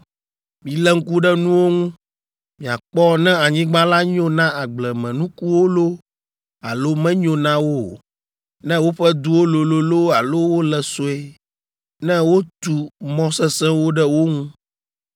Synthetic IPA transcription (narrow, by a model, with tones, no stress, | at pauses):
mĩ˨lɛ˦ŋ̩˦ku˦ɖɛ˦nũ˦wo˦ŋũ˦ | mĩ˨a˨k͡pɔ˦nɛ̃˦a˨ɲĩ˦ɡ͡ba˦la˦ɲõ˦nã˦a˨ɡ͡blɛ˨mɛ̃˨nũ˦ku˦wo˦lo˦ | a˨lo˦mɛ̃˦ɲõ˨nã˦wo˦˨ | nɛ̃˦wo˦ɸɛ˦d̪u˦wo˦lo˨lo˨lo˦a˨lo˦wo˦lɛ˨so˦e˦ | nɛ̃˦wo˦t̪u˨mɔ̃˦sɛ˦sɛ̃˦wo˦ɖɛ˦wo˦ŋũ˦